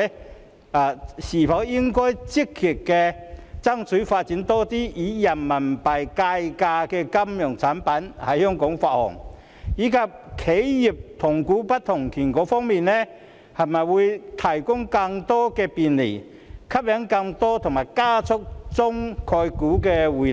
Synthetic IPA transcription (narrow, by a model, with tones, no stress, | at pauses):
aː˨˩siː˨˩fɐ˨˥wjɪ˥ŋkɔː˥jt͡si˥kʰːi˨˩t̚kɛ˧t͡sɐ˥ŋt͡sʰy˨˥faː˧t̚t͡siː˨˥nt̪ɔː˥t̪iː˥iː˨˥jɐ˨˩nmɐ˨˩npɐ˨jka˧jkaː˧kɛː˧kɐ˥mjɔ˨˩ŋt͡sʰaː˨˥npɐ˨˥nhɐ˨˩jhɔ˥ŋkʊ˨˥ŋfaː˧t̚hɔ̰˨˩ŋ | jiː˨˥kʰɐ˨p̚kʰe˨˥jji˨˩p̚t̪ʰʊ˨˩ŋkuː˨˥pɐ˥t̚t̪ʰʊ˨˩ŋkʰiː˨˩nkɔː˨˥fɔː˥ŋmiː˨nnɛː˥ | hɐ˨jmɐ˨jwuː˨˧jt̪ʰɐ˨˩jkʊ˥ŋkɐ˧ŋt̪ɔː˥kɛː˧piː˨nlḭ˨˩ | kʰɐ˥p̚ljɛ˨˥ŋkɐ˧ŋt̪ɔː˥t̪ʰʊ˨˩ŋmaː˨˩jkaː˥t͡sʰʊ˥k̚t͡sʊ˥ŋkʰɔː˧jkuː˨˥kɛː˧wuː˨